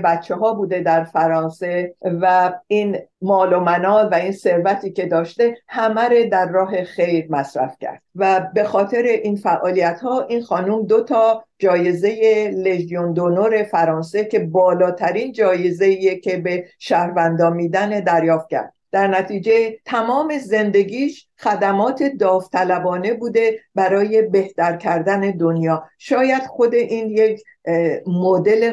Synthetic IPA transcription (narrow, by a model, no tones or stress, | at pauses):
bæt̪t͡ʃʰːeɦɒːbuːd̪e̞d̪æɾfæɾɒːnse̞væinmɒːlomænɒːvæinse̞ɾvæt̪ʰiːce̞d̪ɒːʃt̪e̞hæmæɾed̪æɾːɒːɦe̞xe̞jɾmæsɾæ̰fcʰæ̰ɾd̪̥væbe̞xɒːt̪ʰe̞ɾe̞ʔinfæʔɒːlijæt̪hɒːʔinxɒːnuːmd̪ot̪ʰɒːd͡ʒɒːje̞ze̞je̞leʒijond̪onoɾe̞fæɾɒːnse̞cʰe̞bɒːlɒːt̪ʰæɾiːnd͡ʒɒːje̞zeiːjecʰe̞beʃæhɾvænd̪ɒːmiːd̪æne̞d̪æɾjɒːft̪̚cʰæ̰ɾd̪̚d̪̥æɾnæt̪ʰiːd͡ʒe̞t̪ʰæmɒːme̞ze̞nd̪e̞ɡiːʃ | xæd̪æmɒːt̪ʰe̞d̪ɒːft̪ʰælæbɒːne̞buːd̪e̞bæɾɒːje̞be̞ht̪æɾcʰæɾd̪æne̞d̪onjɒːʃɒːjæd̪̥xo̞d̪e̞ʔiːnjekʰ | mod̪e̞le